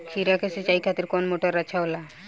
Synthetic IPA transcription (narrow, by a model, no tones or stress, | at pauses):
kʰiɾakeset͡ʃajkʰat̪iɾkɔnmoʈɔɾat͡ʃʰawla